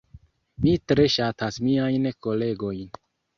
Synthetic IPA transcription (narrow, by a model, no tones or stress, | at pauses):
mitɾe̞ʃatasmiajnko̞le̞ɡo̞jn